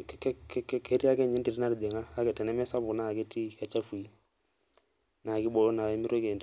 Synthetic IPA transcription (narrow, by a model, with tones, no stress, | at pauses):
kɛ˦kɛ˦kɛ˦ɾi˦a˦kɛ˦˨ɲɛ˦ndi˨ɾi˦na˦ɾi˨dɛ˨ŋaː˦kɛ˨tɛ˨nɛ˦mɛ˦sa˦βu˨naː˦˨kɛ˦ti˦˨ka˨t͡ʃa˦fu˨i˦ | na˨ki˦ɓɔ˦ɔ˦na˨wɛ˦mi˦ɾɔ˦kɛ˨nd